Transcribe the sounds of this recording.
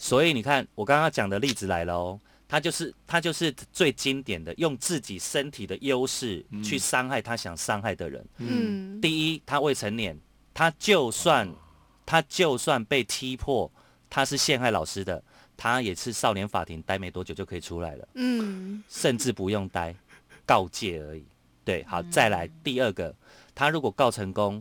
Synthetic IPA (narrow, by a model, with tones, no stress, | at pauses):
swɔ˧˦˥i˨ni˨˩kʰa˥˨˩nwɔ˨˩ka˥ŋkŋt͡ɕjɑ˨˩ŋd̪ə˦li˥˩d͡zɹ̩˨˩la˧˦ɪlə˧ɔ˦ | t̪ʰa˦t͡ɕjo˥˧ʊʂɻ̩˥˩t̪ʰa˦t͡ɕjo˥˧ʊʂɻ̩˥˧t͡swe˥˩ɪt͡ɕi˦nt̪jɛ˨˩nd̪ə˦jo˥˧ŋt͡sɹ̩˥˩t͡ɕi˨˩ʂə˦nt̪ʰi˨˩d̪ə˦jo˦˥ʊʂɻ̩˥˩t͡ɕʰy˥˩sɑ˥ŋxa˥˩ɪt̪ʰa˥ɕjɑ˨˩ŋsɑ˥ŋxa˥˩ɪd̪ə̰˩ɻə̰˧˦n˥t̪i˥˨i˦˥t̪ʰa˦we˥˩ɪʈ͡ʂʰə˧˦nljɛ˨˩˦n | t̪ʰa˦t͡ɕjo˥˧ʊswa˥˨n | t̪ʰa˥˦t͡ɕjo˥˧ʊswa˥˧npe˥˩ɪt̪ʰi˦pʰwɔ˥˩ | t̪ʰa˦ʂɻ̩˥˧ɕjɛ˥˧nxa˥˩ɪlɑ˨˩ʊʂɻ̩˦d̪ə˨ | t̪ʰa˦jɛ˨˩ʂɻ̩˥˧sɑ˥˩ʊljɛ˧˥nfa̰˨˩t̪ʰi˨˧˦ŋt̪a˥ɪme˨˥ɪt̪wɔ˧˥t͡ɕjo˨˩jo˥˩kʰə˧˥i˨˩ʈ͡ʂʰu˦˥la̰˧˦ɪlə̰˨ | ʂə˥˧nʈ͡ʂɻ̩˥˩pu˧˦jo˥˩ŋt̪a˥ɪkɑ˥˧ʊt͡ɕjɛ˥˩ə˧˥i˨˩ | t̪we˥˩ɪxɑ˨˩ʊt͡sa˥˩ɪla˧˦ɪt̪i˥˨˧ə˥˩ɡə˩ | t̪ʰa˥ɻu˧˥kwɔ˨˩kɑ˥˩ʊʈ͡ʂʰə˧˦ŋko˦ŋ